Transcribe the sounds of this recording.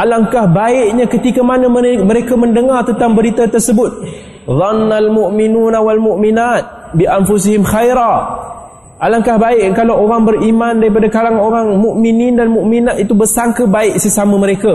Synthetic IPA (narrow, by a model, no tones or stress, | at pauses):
ʔalaŋkahbaɪʔɲakət̪ikamanəməməɾekaməndəŋart̪ənt̪ambəɾit̪at̪ərsəbʊt̪̚ | ðˤɑnːalmuʔminuːnawalmuʔminat̪̚ | biʔanfus̬ihɪmxajɾa | ʔalaŋkahbaɪʔkalawoɾaŋbəɾimandaɾip̬adakalaŋoɾaŋmuʔminindanmuʔminat̪it̪ubərsaŋkəbaɪʔsəsaməməɾeka